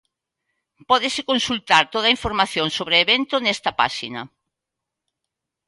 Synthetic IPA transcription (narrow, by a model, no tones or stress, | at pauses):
pɔðɪsɪkonsult̪aɾt̪oð̞ɐiɱfoɾmaθjõŋsoβɾeːβent̪ʊnɛst̪ɐpa̰ʃinɐ